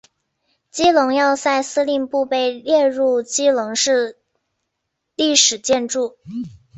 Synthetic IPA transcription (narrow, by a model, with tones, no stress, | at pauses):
t͡ɕi˥lʊ˧˥ŋjɑ˥˧ʊsa˥˩ɪsɹ̩˥li˥˧ŋpu˥˧pe˥˧ɪljɛ˥˧ɻu˥˩˧t͡ɕi˥lʊ˧˥ŋʂɻ̩˥˧ | li˥˩ʂɻ̩˨˩t͡ɕjɛ˥˧nʈ͡ʂu˥˩